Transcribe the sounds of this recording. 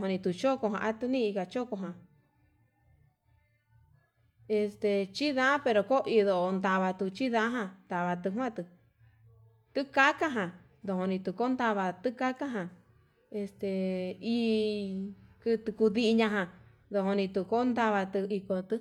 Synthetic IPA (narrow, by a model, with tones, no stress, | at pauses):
õ˧nĩ˧t̪u˧t͡ʃo˦ko˧ɦã̰˧ʔa˦t̪ɨ˧nĩ˦i˧ka˧t͡ʃo˦ko˧ɦã˨ | e˧st̪e˧t͡ʃi˦ðã˦pe˧ɾo˧ko˦ʔi˧ðo˨ʔo˧nd̪a˧βa˧t̪u˧t͡ʃi˦ðã˦ɦã˧t̪a˨βa˧t̪ɨ˧ɦwã˦˨t̪ɨ˧ | t̪ɨ˦ka˦ka˦ɦã˨ | d̪o˧hõ˧nĩ˧t̪u˧ko˦nd̪a˧βa˧t̪ɨ˦ka˦ka˦ɦã˨ | e˧st̪e˧i˧ | kɨ˧t̪ɨ˧ku˧ði˧ʔi˧ɲã˧ɦã˧ | ðo˧ho˧nĩ˧t̪u˧ko˦nd̪a˧βa˧t̪ɨ˧i˧ko˧t̪ɨ˧